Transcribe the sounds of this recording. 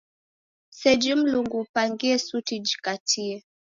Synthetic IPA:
sɛd͡ʒim̩luŋɡupaŋɡiɛsutid͡ʒi̥katʰiɛ

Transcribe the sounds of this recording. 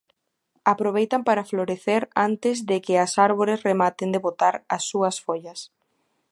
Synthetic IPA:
apɾoβejt̪ampaɾafloɾeθeɾant̪ɪzðɪkɪasaɾβ̞oɾesremat̪ɪnd̪eβot̪aɾɐsːuɐsfoʎɐs

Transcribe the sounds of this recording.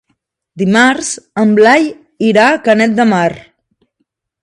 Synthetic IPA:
d̪imaɾzəmblaj | iɾakənɛt̪̚d̪əmar

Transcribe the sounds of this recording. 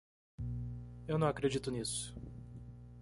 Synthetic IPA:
ewnɐ̃w̃akɾed͡ʒit̪ʊnisʊ̥

